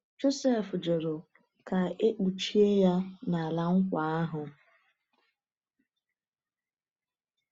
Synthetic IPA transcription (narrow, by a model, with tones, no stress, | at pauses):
d͡ʒo˦se˦˨fd͡ʒo˨ɾo˨ | ka˨e˦k͡pu˨t͡ʃi˦e˦ja˦na˨la˨ŋ̩˦kʷa˨a˦ɦʊ˨